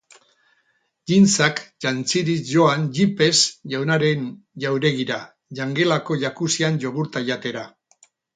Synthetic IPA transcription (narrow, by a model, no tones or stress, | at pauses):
dint͡sakʝant͡siɾiʝo̞anʝipe̞sʝawnaɾe̞n | ʝawɾe̞ɣiɾa | ʝaŋɡe̞lako̞ʎakusianʝo̞ɣuɾt̪aʎat̪e̞ɾa